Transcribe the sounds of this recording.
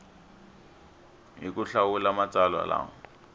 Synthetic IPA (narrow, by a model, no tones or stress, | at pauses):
ɦikʊɬawulamat͡salwa̰la̰ːŋ̩